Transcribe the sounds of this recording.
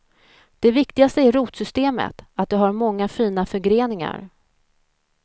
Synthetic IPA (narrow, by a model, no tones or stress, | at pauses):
d̪̥ɛvɪkt̪ɪɡast̪əæɾɾuːt̪sʏst̪eːmə̰t̪at̪̚d̪ɛɦaɾmɔŋːafiːn̪afœɾɡɾeːnɪŋa̰ɾ